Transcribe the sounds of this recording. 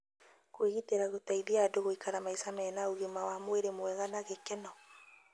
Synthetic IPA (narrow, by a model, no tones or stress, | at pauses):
kweɣiteɾaɣotaiðiadoɣoikaɾamaisamɛːnaoɣemawamoeɾemoɛɣanaɣekɛnɔ